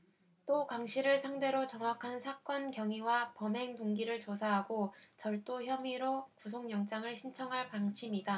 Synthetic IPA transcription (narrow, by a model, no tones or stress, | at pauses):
t͈okaŋɕʰiɾɯɭsʰaŋde̞ɾot͡ɕʌŋɦakʰansʰak͈ʌnkjʌŋiwapʌmɦe̞ŋtoŋɡiɾɯɭt͡ɕosʰaɦaɡot͡ɕʌɭt͈oçjʌmiɾokusʰoŋjʌŋt͡ɕ͈aŋɯɭɕʰint͡ɕʰʌŋɦaɭpaŋɕʰimida